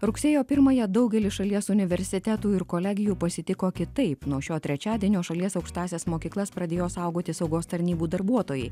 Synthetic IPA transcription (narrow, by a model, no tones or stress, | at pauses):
ɾʊkʲsʲeːjoːpʲɪɾmɐjɛd̪ɐʊɡʲɛlʲɪʃɐlʲiɛsʊnʲɪʋʲɛɾʲsʲɪt̪ʲæt̪uːɪɾkoːlʲæːɡʲɪjuːpɐsʲɪt̪ʲɪkoːkʲɪt̪ɐɪpnuɔʃʲoːt̪ʲɾʲɛt͡ʃʲæːd̪ʲiɛnʲoːʃɐlʲiɛsɐʊkʃt̪ɑːsʲesmoːkʲiːklˠɐspɾɐd̪ʲeːjoːsɐˑʊɡoːt̪ʲɪsɒʊɡoːst̪ɐɾʲnʲiːbuːd̪ɐɾbuɔt̪oːjɛɪ